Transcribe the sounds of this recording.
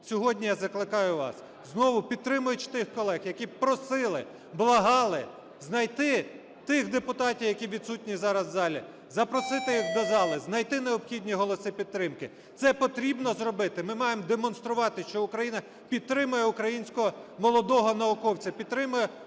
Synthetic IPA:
sʲɔɦɔdʲnʲijazɐklˠɪkɑjʊʋɑ̰s | znɔʋʊpʲid̪̚t̪ɾɪmʊjʊt͡ʃt̪ɪxkɔlˠɛxjɐkʲipɾɔsɪlˠɪ | blˠɐɦɑlˠɪ | znɐjt̪ɪ | t̪ɪxd̪epʊt̪ɑtʲiwjɐkʲiʋʲid̪sutʲnʲizɑɾɐzːɑlʲi | zɐpɾɔsɪt̪ɪjiɣd̪ɐzɑlˠɪznɐjt̪ɪneɔbxʲidʲnʲiɦɔlˠɔsɪpʲid̪̚t̪ːɾɪmkɪ | t̪sɛpɔt̪ɾʲibnɔzrɔbɪt̪ɪmɪmɑjemd̪emɔnst̪ɾʊʋɑt̪ɪʃt͡ʃɔʊkɾɐjinɐ | pʲid̪̚t̪ɾɪmʊjɛʊkɾɐjinʲsʲkɔɦɔmɔlˠɔd̪ɔɦɔnɐʊkɔwt͡sʲɐpʲid̪̚t̪ːɾɪmʊjɛ

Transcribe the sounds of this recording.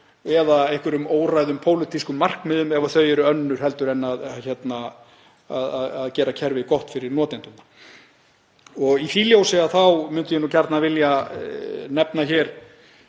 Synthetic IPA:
ɛðaehkvʏɾʏmoːwrajðʏmpʰoːwlɪt̪iskʏmːar̥kmɪðʏmɛvaθœɥɛɾʏœnːʏɾ̥hɛl̪t̪ʏɾɛnːaðçɛt̪na | aðaðaðcɛːɾacʰɛɾvɪðkɔht̪fɪɾɪɾnɔːt̪ɪnt̪ʏna | ɔɣiθiːljowsɪaθawmʏnt̪ʏjɛnuːcʰaɾt̪navɪlja | nɛpnaçɛːɾ̥

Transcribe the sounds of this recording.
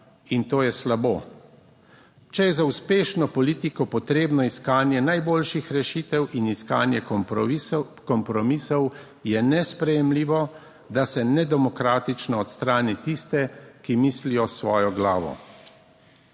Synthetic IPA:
int̪oːjɛslaboː | t͡ʃɛjɛzauspeːʃnɔpɔliːt̪ikɔpɔt̪ɾeːbnɔiskaːnjɛnajboːlʃixɾɛʃit̪ɛwʔiniskaːnjɛ | kɔmpɾɔmisɔw | jɛnɛspɾɛjɛmliːʋɔ | d̪asɛnɛd̪ɛmɔkɾaːt̪it͡ʃnɔːt̪st̪ɾaːnit̪ist̪ɛkimiːslijɔsʋɔːjɔɡlaːʋɔ̰

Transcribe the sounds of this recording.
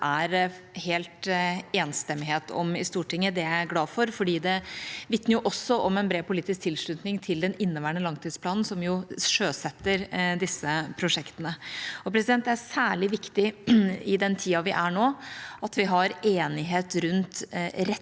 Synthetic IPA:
ʔæɾ | heːlt̪eːnst̪ɛmːɪɦeːt̪ʰɔ̰mɪst̪uːʈɪŋːəd̪ɛææɾɡlɑːfɔɾfɔɖiːd̪ɛʋɪt̪nəɾjʊʔɔsːɔʔɔmɛnbɾeːpʊliːt̪ɪsk̚t̪ʰɪlsʂɭʉːt̪nɪŋt̪ʰɪld̪ɛnɪnːəʋæːəɳəlɑŋt̪ʰiːd̪spʰlɑːnn̩sɔmjʊʂøːsɛt̪ːəɾd̪ɪsːəpʰɾʊʂɛkt̪ənəɔpʰɾɛsɪd̪ɛnt̪ɛæsæːɭɪʋɪkt̪ɪɪd̪ɛnt̪ʰiːɑʋɪʔæɳoːʔɑt̪ʋɪɦɑɾeːnɪɦeːt̪ɾʉnt̪ɾɛ

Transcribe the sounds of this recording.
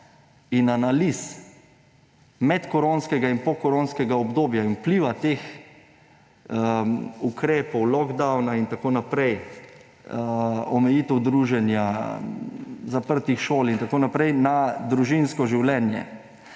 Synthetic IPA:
inanalis | mɛt̪kɔɾoːnskɛɡainpɔkɔɾonskɛɡaɔbd̪oːbjainupliːʋat̪eːx | ukɾeːpɔwlɔɡd̪awnaint̪akoːnapɾɛj | ɔmɛjiːt̪ɛwd̪ɾuːʒɛnja | zapəɾt̪ixʃoːlint̪akoːnapɾɛjnad̪ɾuʒinskɔʒiwlɛnjɛ̰

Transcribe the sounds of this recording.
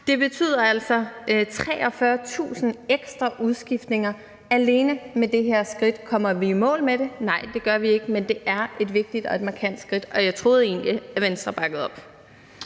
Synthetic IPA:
d̥e̝b̥e̝t͡sʰy̰ːð̰ˠɐæl̰sɒ̽t͡sʰʁɛ̰ːɒ̽fɶːɐt͡sʰṵːsn̩eɡ̥sd̥ʁɑʔuðˠsɡ̥ifd̥ne̝ŋɐ | æle̝ːnəmed̥e̝ɦeɐ̰sɡ̥ʁid̥kʰɒ̽m̰ɐʋiːmɔ̰̽ːlmed̥e̝nɑ̈ɪ̰d̥e̝ɡ̥ɶɐʋie̝ɡ̥əmend̥e̝ʔæɐe̝d̥ʋe̝ɡ̥̚d̥id̥ɒ̽e̝d̥mɑ̈kʰæn̰d̥sɡ̥ʁid̥ɒ̽jɑ̈ɪt͡sʰʁo̝ːð̩ˠe̝̰ːnliæɐʋensd̥ʁɐb̥ɑ̈ɡ̥əð̞̩ˠɒ̽b̥

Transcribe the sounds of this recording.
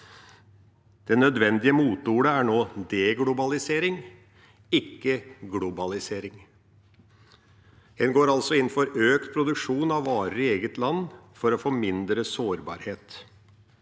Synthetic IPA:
d̪̥ɛnœd̪ʋɛnd̪ɪəmuːt̪uːɽəæɳoːd̪ɛɡlʊbɑlɪseːɾɪŋ | ɪkːəɡlʊbɑlɪseːɾɪŋ | h̪ɛnɡoːɾɑlsɔɪnːfɔɾøːkt̪̚pʰɾʊd̪ʉkʂuːnɑʋːɑːɾəɪeːɡət̪lɑnːfɔɾɔfomɪnd̪ɾəsoːɾbɑ̰ːɾheːt̪

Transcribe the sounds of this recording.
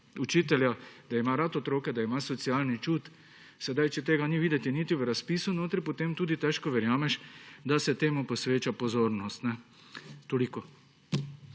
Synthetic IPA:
ut͡ʃiːt̪ɛljad̪̥aimaɾat̪ɔt̪ɾoːkɛd̪aimasɔt̪sialnit͡ʃut̪ | sɛd̪ajt͡ʃɛt̪eːɡaniʋiːd̪ɛt̪init̪iʋəɾaspiːsunoːt̪ɾipot̪eːmt̪uːd̪it̪ɛʃkɔʋɛɾjaːmɛʃd̪asɛt̪eːmuposʋeːt͡ʃapozoːɾnɔst̪nɛ | t̪oliko

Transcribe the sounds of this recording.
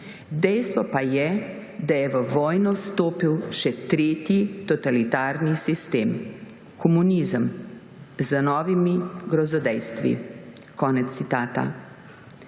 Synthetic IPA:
d̪ɛjst̪ʋɔpajɛ | d̪ajɛʋəʋɔːjnɔst̪oːpiwʃɛt̪ɾeːt̪jit̪ɔt̪alit̪aːɾnisist̪eːm | kʰɔmuniːzəm | zənɔːʋimiɡɾɔzɔd̪ɛjst̪ʋḭ | kɔːnɛt̪sːit̪aːt̪a̰

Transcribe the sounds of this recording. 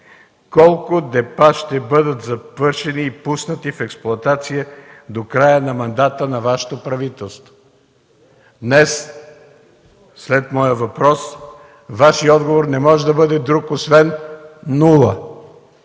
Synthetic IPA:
kɔlˠkʊd̪ɛpaʃt̪ɛbɤd̪ət̪zɐvɤɾʃɛniːpusnət̪ifɛksplˠʊɐt̪at̪sijəd̪okɾajənɐmɐnd̪at̪ənɐvaʃɛ̥t̪opɾɐvit̪ɛlˠst̪vo̥ | d̪nɛs | slɛt̪mɔjəvɐpɾɔs | vaʃiɔd̪ɡovoɾnɛmɔʒɛd̪ɐbɤd̪ɛd̪ɾukosvɛnː | ulˠə

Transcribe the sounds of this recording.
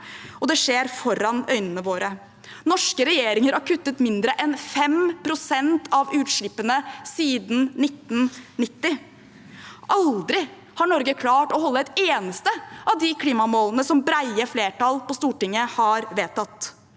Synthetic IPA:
ɔd̪ɛʂeːɾfɔɾɑnœʏnənəʋoːɾə | nɔʂkəɾɛjeːɾɪŋəɾæɾkʰʉt̪ːət̪mɪnd̪ɾəʔɛnfɛmpʰɾʊsɛnt̪ʰɑʋʉːt̪ʂɭɪpːənəsiːd̪n̩nɪt̪ːnnɪt̪ːɪ | ʔɑld̪ɾɪ | hɑɳɔɾɡəkʰlɑːʈɔhɔlːəɛt̪eːnəst̪əɑʋd̪ɪkʰliːmɑmoːlənəsɔmbɾæɪəfleːʈɑlpɔst̪uːʈɪŋːəhɑɾʋeːt̪ɑt̪ː

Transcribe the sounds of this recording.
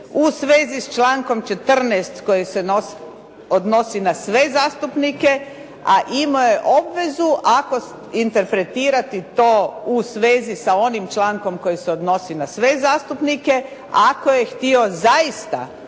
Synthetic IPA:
usʋeːzist͡ʃlaːŋko̞mt͡ʃe̞t̪r̩nɛːst̪ko̞jesenos | od̪no̞sinasʋe̞zaːst̪upnike̞ | aʔimoje̞ʔo̞bʋe̞zuʔako̞ | int̪e̞ɾpɾe̞t̪iːɾat̪it̪o̞ːusʋeːzisao̞nimt͡ʃlaːŋko̞mko̞jiseod̪no̞sinasʋe̞zaːst̪upnike̞ | ako̞je̞xt̪io̞zaist̪a̰

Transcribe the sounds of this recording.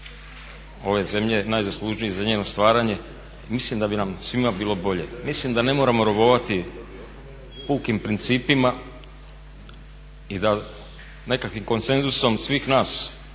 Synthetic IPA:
o̞ʋe̞ze̞mʎe̞najzaslˠuʒnijezaɲeːno̞st̪ʋaːɾaɲe̞ | imislimd̪abinamsʋimabiːlˠo̞bo̞ʎe̞mislimd̪ane̞mo̞ːɾamo̞ɾoβo̞ʋat̪i | puːkimpɾint̪siːpima | id̪a | ne̞kakʋimko̞nt̪se̞nzuso̞msʋiːxnaːs

